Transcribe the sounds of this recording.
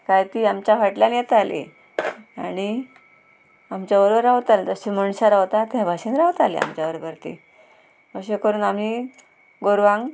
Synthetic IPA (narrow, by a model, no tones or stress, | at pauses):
kajt̪iːamt͡ɕafaʈljãnjet̪alḛ | a̰ɽ̃i | amt͡ɕjaʋəɾbəɾːaʋt̪alet̪əɕiməɳɕaɾaʋt̪at̪jãbʱaɕenɾaʋət̪alḛa̰mt͡ɕjaʋəɾbəɾt̪ḭ | əɕekəɾuːnami | ɡoɾʋãŋɡ